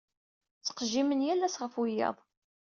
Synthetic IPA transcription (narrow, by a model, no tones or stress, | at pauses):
t͡sːə̥qʒimənjælːæsʁəfwijɑ̰ðˤ